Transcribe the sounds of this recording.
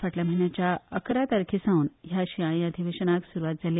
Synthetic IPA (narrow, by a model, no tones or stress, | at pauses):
faʈljam̤ənjat͡ɕjaəkɾat̪əɾkʰisãũːnɦjaɕiãĩəd̪ʱiʋeɕənaksuɾuʋat̪̚d͡zʱale